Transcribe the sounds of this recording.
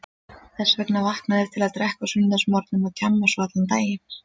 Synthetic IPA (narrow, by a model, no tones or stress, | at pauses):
θɛsːvɛknavahknaðɪɾ̥t̪ʰɪlaðt̪ɾɛhkasʏnt̪ansmɔɾt̪nʏmaðt̪ʰamːasvat̪lant̪aːjɪ